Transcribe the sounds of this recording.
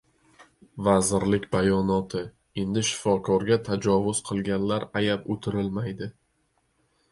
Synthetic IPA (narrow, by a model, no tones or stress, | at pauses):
vazɪɾlɪkʲbajɒnɒt̪ʰɪ | e̞nd̪ɪʃɪ̥fɒkʰɒɾɡʲat̪ʰad͡ʒɒvʊz̥qʰɨlˠɡʲanlaɾajapot̪ʰɪɾɪlmajd̪ɪ